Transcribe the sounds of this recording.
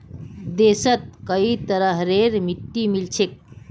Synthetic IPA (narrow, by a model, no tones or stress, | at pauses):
d̪eːsət̪̚kəit̪əɾəɦɾeɾmiʈːimilt͡ʃʰek̚